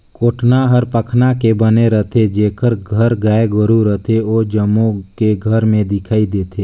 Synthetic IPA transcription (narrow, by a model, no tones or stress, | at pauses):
koːʈnaɦəɾpəkʰnakebəneɾət̪ʰed͡ʒeːkʰəɾɡʱəɾɡaːeɡəɾuɾət̪ʰeoːd͡ʒəmõkeɡʱəɾmẽd̪ɪkʰaːid̪eːt̪ʰeː